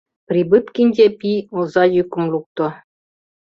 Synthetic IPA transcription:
pɾibɨt̪kinʲdʲepiozɑjykŭmluk̚t̪o

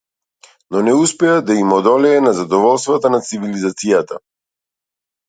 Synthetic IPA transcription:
nɔnɛuspɛad̪aimɔd̪ɔlɛɛnazad̪ɔvɔlˠst̪vat̪anat̪sivilizat̪sijat̪a

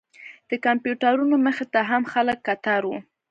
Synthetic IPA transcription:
d̪̥əkampjuʈaɾunoməxet̪aɦamxaləkːat̪aɾwu

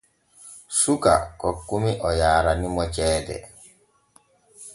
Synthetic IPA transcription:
suka̰kɔkːumiʔɔjaːɾanimɔt͡ʃɛːdɛ̰

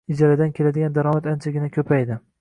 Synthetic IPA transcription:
ɪd͡ʒaɾad̪ankʲʰe̞lad̪ɪɡʲand̪aɾɒmat̪ant͡ʃʰaɡʲɪnakʲʰɵpʰajd̪ɪ

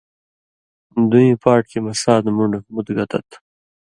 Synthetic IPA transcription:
d̪ujĩpɑːʈ̚kemɐsɑːd̪muɳɖmʊd̪ɡɐt̪ɐ̰t̪

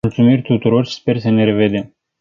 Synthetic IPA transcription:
ult̪sumirʲt̪ut̪uɾo̞rspe̞rsəne̞ɾe̞ved̪em

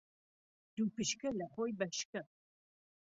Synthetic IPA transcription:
d̪̥upɨʃkɐlɐχoːjbɐʃkɐ

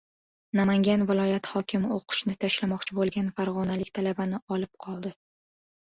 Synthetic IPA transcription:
namaŋɡʲanvɪlˠɒjat̪hɒkʲʰɪmɪoqʰʊ̥ʃnɪt̪ʰaʃlamɒqt͡ʃʰɪbolˠɡʲanfaɾʁɒnalɪkʲt̪ʰalabanɪɒlɪp̚qʰɒlˠd̪ɪ

